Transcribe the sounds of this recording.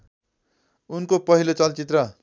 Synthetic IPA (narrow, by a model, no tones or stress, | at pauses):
unkopʌɦilot͡sʌlt͡sit̪rʌ